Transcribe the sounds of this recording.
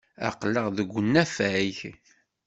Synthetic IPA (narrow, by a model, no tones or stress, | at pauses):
æ̰qləʁðəɡʷːənːæfæiç